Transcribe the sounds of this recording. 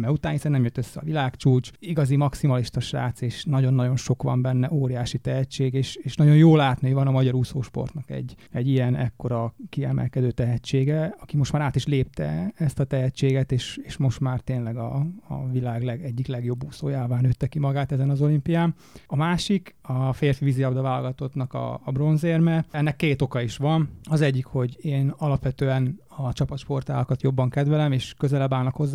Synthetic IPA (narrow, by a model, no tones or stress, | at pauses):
mɛut̪aːnhisɛnnɛmjøt̪ːøsːɛɒ̰vilaːkt͡ʃuːt͡ʃiɡɒzimɒksimɒliʃt̪ɒʃra̰ːt̪seːʃnɒɟo̞nːɒɟo̞nʃo̞kʋɒ̰mbɛnːɛʔoːɾijaːʃit̪ɛɦɛt͡ʃːeːɡeːʃeːʃnɒɟo̞njoːlaːt̪nøːvɒnɒmɒɟɒɾusoːʃpo̞̰rt̪nɒkɛ̰ɟːɛɟːijɛnɛkːo̞ɾɒkiɛmɛ̰lkɛd̪øːt̪ɛɦɛt͡ʃːeːɡɛɒkimo̞ʃt̪maːɾaːt̪iʃleːp̚t̪ɛ̰ɛst̪ɒt̪ɛɦɛt͡ʃːeːɡɛt̪eːʃeːʃmo̞ʃt̪maːrt̪eːnlɛɡɒ̰ːvilaːɡlɛɡɛɟːiklɛɡjo̞bːuːsoːjaːvaːnøːt̪ːɛkimɒɡaːt̪ɛzɛnɒzo̞limpijaːn | ɒmaːʃikɒfeːrfiviziɒbd̪ɒvaːlɡɒt̪o̞t̪nɒkɒ̰ːbro̞nzeːrmɛɛnːɛkːeːt̪o̞kɒiʃʋɒnɒzɛɟːikho̞ɟeːnɒlɒpʋɛt̪øːɛn | ɒt͡ʃɒpɒt̪ʃpo̞rt̪a̰ːlɒkɒt̪jo̞bːɒŋkɛd̪vɛlɛmeːʃkø̞zɛlɛbaːlnɒkho̞zː